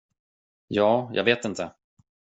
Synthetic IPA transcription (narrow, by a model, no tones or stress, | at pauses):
jɑːjʔɑ̰ɡveːt̪ɪnt̪ʰə